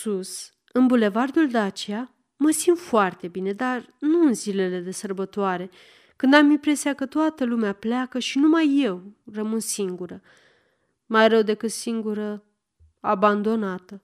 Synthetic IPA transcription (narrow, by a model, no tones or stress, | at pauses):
sus | ɨnbule̞vard̪uld̪eat͡ʃeja | məsint̪foart̪e̞bine̞d̪arnuɨnzile̞le̞d̪e̞sərbət̪oaɾe̞ | kɨnd̪amimpɾe̞siakət̪oat̪əlumeapleakəʃinumajːe̞wrəmɨnsiŋɡuɾə | majɾəwd̪e̞kɨt̪siŋɡuɾə | aband̪o̞nat̪ə